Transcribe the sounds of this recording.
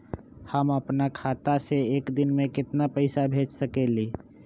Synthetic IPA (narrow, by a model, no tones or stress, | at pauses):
həməpnakʰaːt̪aseːkd̪ɪnmẽkɪt̪napəɪsabʱeːd͡ʒsəkeli